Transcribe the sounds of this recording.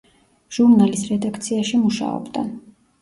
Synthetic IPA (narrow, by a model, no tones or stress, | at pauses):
ʒ̥uɾnalisɾɛd̪akʰt̪sʰiaʃimuʃa̰ɔ̰bd̪a